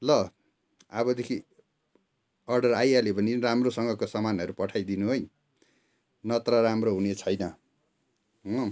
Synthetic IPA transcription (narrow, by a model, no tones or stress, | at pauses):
lʌ | abʌd̪ekʰi | ʌrɖʌrajalebʌninramrosʌŋɡʌkosʌmanʌɾupʌʈʰajd̪inuɦoj | nʌt̪rʌɾamroɦunet͡sʰʌjnʌ